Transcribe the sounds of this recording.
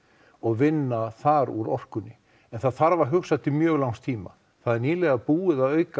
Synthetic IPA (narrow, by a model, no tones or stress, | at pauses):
ɔɣvɪnːaθaɾuɾɔr̥kʏnːɪ | ɛnθaðθaɾvaɾ̥ɦʏxsat̪ɪmjœːɣlawŋst̪ʰiːma̰ | θaðɛɾniːlɛɣapuːɪðaðœːɥka